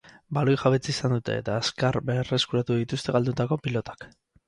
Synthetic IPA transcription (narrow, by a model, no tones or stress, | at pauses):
balojxaβet͡siːsand̪ut̪e̞̰ːt̪aːskaɾbere̞skuɾat̪uðit̪ust̪e̞ɣald̪ut̪ako̞pilo̞t̪ḁk